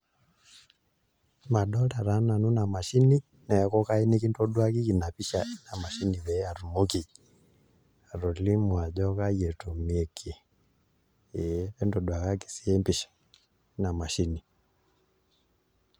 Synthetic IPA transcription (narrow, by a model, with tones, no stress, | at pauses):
ma˨ɗɔ˦la˨ɾa˨˦na˨nu˦na˨ma˨ʃi˦ni˦ | nɛ˨ja˨kɔ˦ka˦i˦ni˦ki˦ntɔ˦ɗwa˦ki˦ki˨na˨pi˦ʃa˨i˦na˨ma˨ʃi˦ni˨βɛ˨˦a˨ɾu˨mo˦ki˨ | a˨ɾɔ˨li˦mwa˨d͡ʒɔ˦ka˦jɛ˨tu˨mi˨ɛ˨kʰe˨ | ɛ˨˦ɛ˦ndɔ˨ɗwa˨ka˦ki̥˨si˦ɛ˦mbi˨ʃḁ˨ | i˦na˨ma˨ʃi˦ni˨